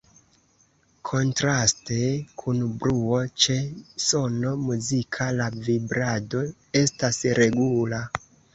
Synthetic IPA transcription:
kʰo̞ntɾaste̞kʰunbɾuo̞t͡ʃe̞so̞no̞muzikʰalavibɾado̞ | e̞stasɾe̞ɡula

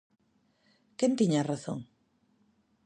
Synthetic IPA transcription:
kent̪iɲaraθõ̰ŋ

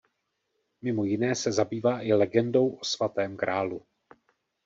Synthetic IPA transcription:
mɪmo̞jɪnɛːsɛzabiːvaːʔɪlɛɡɛndo̞wʔo̞svat̪ɛːmkɾaːlu

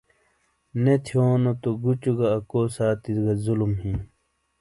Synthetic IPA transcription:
net̪ʰijoːnot̪oɡut͡ɕuɡɐːkoːsaːt̪iɡɐzulumɦĩ

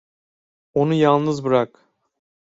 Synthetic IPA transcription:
onujɑlˠnɯzbɯɾɑk

